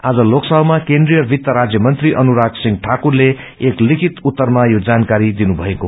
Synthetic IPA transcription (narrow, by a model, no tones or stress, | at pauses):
ad͡zʌloksʌbmakendrijʌrbʱit̪ːʌɾad͡zjʌmʌnt̪riʔʌnuɾaksiŋɡʈʰakurle | eklikʰit̪ut̪ːʌrmajod͡zankaɾid̪inubʱʌeko